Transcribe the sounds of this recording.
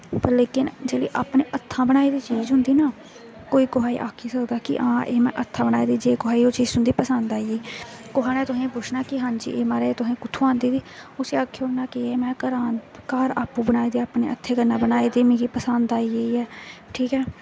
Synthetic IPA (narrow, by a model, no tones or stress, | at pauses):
pəɾleːkɪnd͡ʒeːlḭːʔa̰ːpneːʔət̪ʰːãːbəñaːiːd̪iːt͡ʃiːd͡ʒɦʊnd̪iːnaː | koːiːkʊɦaːḭʔaːkʰiːsəkd̪aːkɪ̰ʔãːʔeːmɛ̰̃ːʔət̪ʰːãːbənaːiːd̪iːd͡ʒeːɡoɦaːiːot͡ʃiːd͡ʒsʊnd̪iːpəsənd̪aːijeiːkʊɦaːnaːt̪ʊsẽːpʊt͡ʃʰnaːkɪɦãːɲd͡ʒḭːʔeːmaːɾeːt̪ʊɦẽːkʊt̪ʰːuːãːnd̪iːd̪iːʊseːaːkʰːeonaːkɪeːmɛ̃ːkəɾaːnkaːɾaːpũːbənaːiːd̪eːaːpneːət̪ʰːeːkəɾnaːbənaːeːd̪eːmeːɡiːpəsand̪aːijeiːɛːʈʰiːkɛː